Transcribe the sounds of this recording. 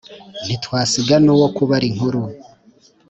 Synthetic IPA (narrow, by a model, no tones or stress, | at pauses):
nitwaːsiɡanuwokuβaɾiŋ̥huɾu